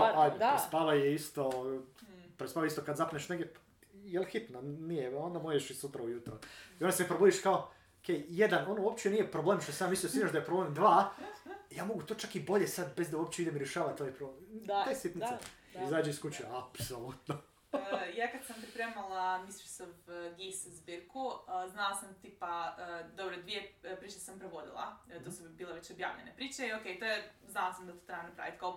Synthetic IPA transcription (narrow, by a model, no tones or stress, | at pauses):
paajd̪epɾespaʋajeist̪o̞ | pɾespaːʋaeist̪okad̪zapneʃneɡjʲep | jelxit̪nonijeo̞nd̪amojeʃisut̪ɾaujut̪ɾoionaseepɾobuːd̪iʃkao | okʰʲejjed̪ano̞nouopt͡ʃinije̞pɾoblˠemʃt̪osamisliosiɲaʃd̪ajepɾo̞blemd̪ʋaː | jaːmo̞ɡut̪oːt͡ʃakibo̞ʎesad̪bezd̪auopt͡ɕeid̪emɾjeʃaːʋat̪ːojepɾoblemt̪ejsit̪nise | izaːd͡ʒeiskut͡ɕeapsolˠut̪no | jaːkad̪sampɾipɾeːmalˠamislisovɡiszbiɾkuznalasamt̪iːpaəd̪obɾod̪ʋijepɾiːt͡ɕesampɾeʋo̞d̪ḭlˠa̰t̪osubiːlˠeʋet͡ɕobja̰ːʋʎenepɾiːt͡ʃeiokejt̪ojeznalˠasamd̪at̪o̥t̪ɾeanupɾa̰ʋit̪kao